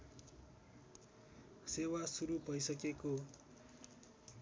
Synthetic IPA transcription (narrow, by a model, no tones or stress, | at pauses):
sewasuɾubʱʌjsʌkeko